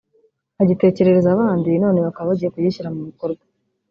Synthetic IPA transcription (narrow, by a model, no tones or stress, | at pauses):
haɟite̞ːce̞ɾe̞ɾezaβaːndino̞ːne̞βakaβaβaɟijekujiɕiɾamumiko̞ɾɡwḁ